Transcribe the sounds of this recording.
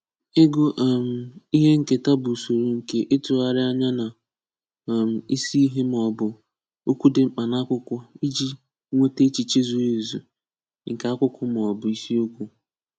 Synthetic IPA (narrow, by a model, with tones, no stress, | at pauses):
ɪ˦ɡo˦ʔm̩˦i˦ɦe˦ŋ̩˨ke˨ta˦bʊ˨so˨ɾu˨ŋ̩˨ke˦ʔɪ˦tʊ˨a˨ɾɪ˦a˦ɲa˦na˨ | m̩˨i˦si˦i˦ɦe˦m˨ɔ˨bʊ˨ | o˦kʷu˦dɪ˨ŋ͡m̩˦k͡pa˨na˦kʷʊ˦kʷɔ˦i˦d͡ʒi˦ | ŋʷe˦te˦t͡ʃi˨t͡ʃe˦zu˦e˨zṵ˨ | ŋ̩˨ka˨˦a˦kʷʊ˦kʰʊ˦m˨ɔ˨bʊ˨i˦si˦o˦kʷu˦